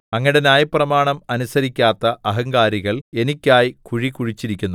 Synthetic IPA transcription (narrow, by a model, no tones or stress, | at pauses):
ɐŋːɐiɽenaːjɐpːrɐmaːɳɐmɐnusɐɾikʲːaːt̪ːɐʔɐɦɐŋɡaːɾiɣɐɭe̞nikʲːaːjikuɻikuɻit͡ɕːiɾikʲːunːu